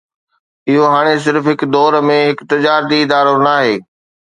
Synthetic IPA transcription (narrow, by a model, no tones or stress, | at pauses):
ɪɦoɦaːɽ̃es̬ɪɾfɦɪkd̪ɔːɾmẽɦɪkt̪ɐd͡ʑaːɾt̪iɪd̪aːɾonaːɦeː